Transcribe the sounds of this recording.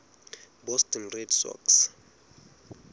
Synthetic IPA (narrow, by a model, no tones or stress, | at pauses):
bɔstʰʼɔnredsɔ̰ks